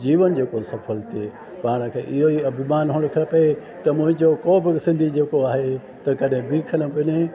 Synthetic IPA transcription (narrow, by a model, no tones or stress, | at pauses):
d͡ʑiːʋənd͡ʑeːkosɐfʰəlt̪ʰe | paːɽ̃̆kʰeːʔɪɦoiɐbʱɪmaːnɦʊːɽ̃ʊ̆kʰɐpɐe | t̪ɐmʊ̃ɦɪ̃ɲd͡ʑokoːbɪsɪ̃nd̪ʱid͡ʑeːkoaːɦe | t̪ɐkɐɗɦɪ̃biːkʰələ̆pɪne